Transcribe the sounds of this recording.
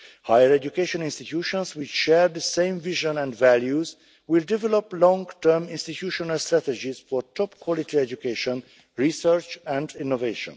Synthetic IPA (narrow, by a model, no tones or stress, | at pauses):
hajəɹɛd͡ʒukeʃɔ̃nĩnst̪itʰjuːʃɔ̃nswɪt͡ʃʃɛɹd̪əsẽɪ̃mviʒɔ̃nɛ̃nvæljuz | wɪldɛvɛloplɔ̃ŋtə˞mĩnst̪itʰjuːʃɔnalstɹæt̪ɛd͡ʒiz̥fɔɹtʰɔpkʰwɔlitiɛd͡ʒukeʃɔ̃n | ɹisəɹt͡ʃæ̃ndĩnːoveʃɔ̰̃n